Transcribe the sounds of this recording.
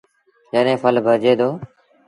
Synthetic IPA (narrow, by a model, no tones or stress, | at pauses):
d͡ʒəɗẽːpʰəlbʱəɾd͡ʒeːd̪oː